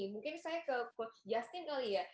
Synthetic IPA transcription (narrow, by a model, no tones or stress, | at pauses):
imũŋkɪnsajakəkojast̪ɪnkalia